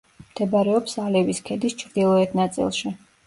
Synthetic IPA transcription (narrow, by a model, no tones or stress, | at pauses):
md̪̥ɛbaɾɛɔpsalɛviskʰɛd̪ist͡ʃʰɾd̪ilˠɔɛt̪ʰnat̪sʼḭlˠʃi